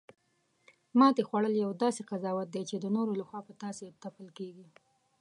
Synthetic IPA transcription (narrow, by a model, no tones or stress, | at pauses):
mɑt̪exwaɽəljawd̪ɑseqazɑwat̪̚d̪ejt͡ʃed̪ənoɾolaxwɑpət̪ɑset̪apəlkeɡi